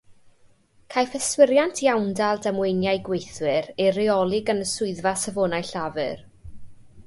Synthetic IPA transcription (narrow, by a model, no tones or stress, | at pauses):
kʰajfəswɪɾjantʰjawndalˠdamwejnjajɡwejθwɪɾejrɪɔlˠɪɡanəsʊɨðvasəvoːnajɬavɨ̰r